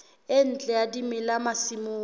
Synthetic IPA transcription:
ɪn̩t͡ɬʼɛjadimɪlamasimʊː

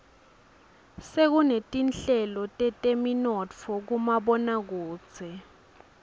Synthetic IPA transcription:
sek̬unetʼinɬɛlɔtʼɛtʼeminɔt͡fʰɔk̬umaɓɔnak̬u̥ːt͡sʰɛ

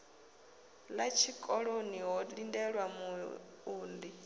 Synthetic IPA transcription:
lat͡ʃʰikʼɔɺoniɦɔlindɛɺwamu | uːndi

